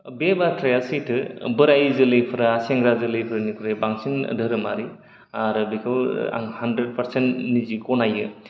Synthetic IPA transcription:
bebatʰɾajasitʰɯbɯɾajzɯlɯjpʰɯɾaaseŋɡɾazɯlɯjpʰɯɾɯnikʰuɾebaŋsin̰dʱɯɾɯmaɾi | aɾɯbikʰɯwa̰ŋhandɾed̚pɐɾsentnizikɔnajɯ

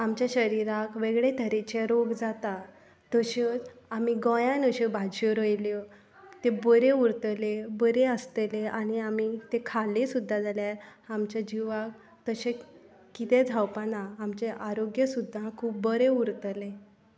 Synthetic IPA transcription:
amt͡ɕjaɕəɾiɾakʋeɡɭet̪ʰəɾet͡ɕeɾoɡd͡zat̪a | t̪əɕeamiɡɔ̃jãnəɕebʱad͡ʑoɾəjljɔ | t̪ebəɾeuɾt̪əlebəɾeəst̪eleañiamit̪ekʰalesud̪ʱːad͡zaljaamt͡ɕjad͡ʑiʋak | t̪əɕe | kit̪ed͡zʱawpanãamt͡ɕeʔaɾoɡjəsud̪ʱːakʰuːp̚bəɾeuɾt̪əle

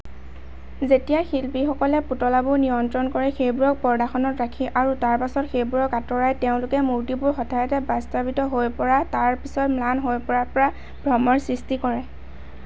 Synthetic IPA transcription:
zetijaxilpixɔkɔlɛputɔlabʊɹnijɔntɹɔnkɔɹɛxejbʊɹɔk̚pɔɹdaxɔnɔtɹakʰiʔaɹutaɹpasɔtxejbuɹɔkatɔɹajteʊ̃lʊkɛmuɹtibʊɹxɔtʰajɔtɛbastabitɔɦojpɔɹataɹpisɔtmlanɦojpɔɹapɔɹa | bʱɹɔmɔɹsɹistikɔɹɛ

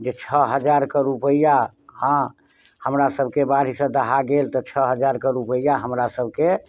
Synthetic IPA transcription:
d͡ʒet͡ʃʰəɦəd͡ʒaɾkəɾupəija | hã | həmɾasəbʱkebaɾ̤isə̃d̪əɦaɡelt̪ɔt͡ʃʰəɦəd͡ʒaɾkəɾupəijaɦəmɾasəbʱke

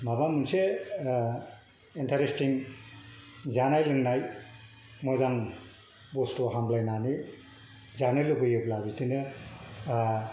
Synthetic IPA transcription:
mabamunse | intʰaɾestiŋ | zanajlɯŋnaj | mɔzaŋ | bɔstɔɦamlajnani | zanɯlɯɡɯjɯblabitinɯ

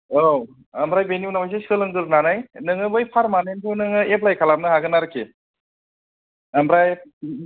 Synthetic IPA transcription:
ow | ɐmbɾajbenijunamajs̬eskɯlɯŋɡɯɾnanajnɯŋɯbɯjpʰaɾmanentʰunɯŋɯep̬lajkʰalamnɯɦaɡɯnaɾɯkʰe | ambɾaj

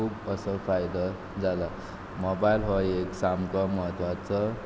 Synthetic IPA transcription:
ukʌsʌfʰajd̪a | d͡zala | mobajilɦɔeksamkɔmʌɦət̪wat͡sʌ

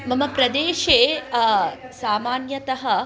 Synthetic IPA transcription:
mɐmɐpɾɐd̪eːʃeː | saːmaːnjɐt̪ɐɦɐ

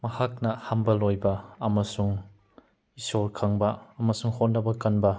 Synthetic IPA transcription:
mɐhak̚nɐhambɐlojbɐːmɐsuŋ | isoɾkʰaŋbɐɐmɐsuŋhonːɐbɐkɐnbɐ

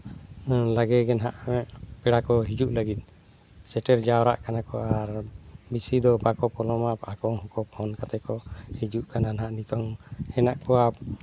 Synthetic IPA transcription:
laɡɛɡɛnɦaʔmɛʔpɛɽakɔɦid͡ʒuʔlaɡit̪̚ˀ | sɛʈɛɾd͡ʒawɾa̰ʔkanakɔaɾbisid̪ɔbakɔpɔlɔmapakɔɦɔ̃kɔphɔnkat̪ɛkɔhid͡ʒuʔkananɦaʔnit̪ɔŋhɛnaʔkɔa

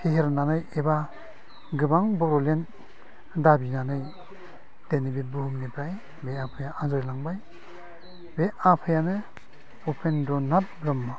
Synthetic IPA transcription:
pʰeɦeɾnanɯjeba | ɡɯbaŋbɔɾɔlen | dabinanɯj | d̥enibebɯɦumnipɾaj | beapʰɯjaʔazɯjlaŋbaj | beʔapʰɯjanɯ | upʰendɔnatbɾɯmːa

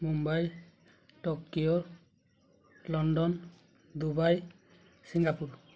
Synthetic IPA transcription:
mumbaj | ʈɔkːijɔ | lɔnɖɔn | d̪ubaj | siŋɡapuɹ

